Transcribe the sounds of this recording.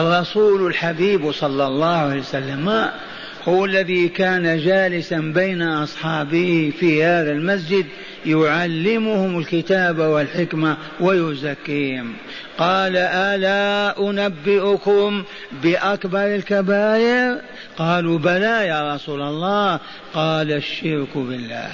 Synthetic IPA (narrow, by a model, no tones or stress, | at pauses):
ʔɑrˤːɑsuːlɪlħabiːbsˤɑlːɑlˤːɑːhalsalːama | hʊwalːaðikaːnad͡ʒaːlɪsanbejnaʔɑsˤħɑːbɪhfihaːðalmas̬d͡ʒɪd̪ | jʊʕalːɪmʊhʊmɪlkɪt̪aːbawɪlħɪkma | wajʊzakːiːhɪm | qɑːlaʔalaʔʊnabːɪʔʊkʊm | bɪʔakbɑɾˤɪlkabaːjɪɾ | qɑːlubalajaːɾˤɑsuːlɑlˤːɑː | qɑːlaʃːɪɾkbɪlːa̰ːh